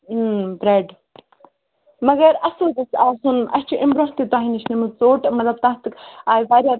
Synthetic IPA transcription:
bɾeɖ | mɐɡɐɾɐsoːd̪ɐsaːzunʔɐst͡ʃʰuʔimbɾoɦt̪it̪aːɦiniʃnimɨt͡soːʈmɐt̪lɐb̚t̪ãːt̪ɨkaːjbaːɾʲjaː

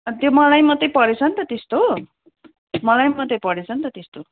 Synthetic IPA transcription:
t̪jomʌlajmʌt̪ːʌpʌɾet͡sʰʌnt̪ʌt̪est̪o | mʌlajmʌt̪ejpʌɽet͡sʰʌnt̪ʌt̪est̪o

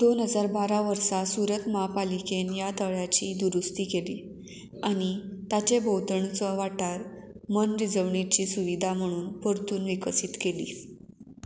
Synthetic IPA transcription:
d̪̥onɦəd͡zaɾbaɾaʋəɾsasuɾət̪maapalikenjat̪əɭjat͡ɕiːd̪uɾust̪iːkeliː | aɽ̃it̪at͡ɕebʱowt̪əɳt͡səʋaʈaɾ | mənɾid͡zəʋɳit͡ɕiːsuʋid̪ʱam̤əɽ̃uːnpəɾt̪uːnʋikəsiːt̪kelḭː

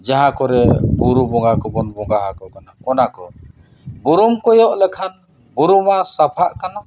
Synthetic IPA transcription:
d͡ʒaɦãkɔɾɛbuɾubɔŋɡakɔbɔnbɔŋɡaɦakɔkanakɔnakɔ | buɾumkɔjɔʔlɛkʰan | buɾumasapʰaʔkana

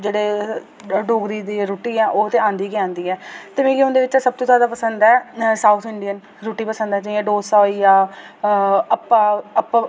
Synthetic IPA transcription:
d͡ʒeːɽeː | ɖoːɡɾiːd̪iːɾoːʈiːɛ̃ːʔoːt̪ẽːãːnd̪iːkɪãːnd̪iːɛːt̪əmẽːɡiʊ̃nd̪eːʋɪt͡ʃːsəb̚t̪õːt̪jaːd̪aːpəsənd̪ɛːsaːut̪ʰɪɳɖijən | ɾoːʈiːpəsə̃nd̪ãːt͡ʃãːiːɛ̃ːɖoːsaːijaː | əpːaːəpːa

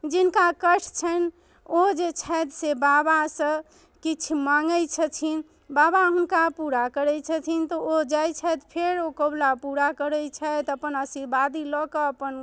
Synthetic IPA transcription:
d͡ʒinkakəʈʰt͡ʃʰən | od͡ʒet͡ʃʰɛjt̪sebabasə̃ | kit͡ʃʰmaŋɡəjt͡ʃʰət͡ʃʰin | babaɦunkapuɾakəɾɛt͡ʃʰət͡ʃ̪ʰint̪ɔod͡ʒajt͡ʃʰɛt̪pʰeɾokəblapuɾakəɾɛt͡ʃʰɛt̪əpənəsiɾbad̪ilɔkeəpən

